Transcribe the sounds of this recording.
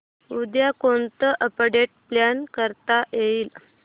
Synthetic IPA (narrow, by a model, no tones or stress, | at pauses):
ud̪jakont̪əʔəpəɽeʈ̚pljankəɾt̪ajeiːl